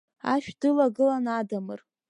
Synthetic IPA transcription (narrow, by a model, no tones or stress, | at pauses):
aʃᶣdɨlaɡɨlanadamɨ̰r